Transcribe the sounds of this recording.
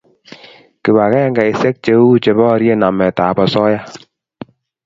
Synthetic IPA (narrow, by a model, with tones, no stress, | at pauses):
kɪ˨ba˨kɛ˦ŋɡa˨i˨sɛ˦k̚t͡ʃe˦u˦t͡ʃe˨bɔ˦˧ɾje˦na˨mɛ˨ta˨bɔ˨sɔ˦ja˦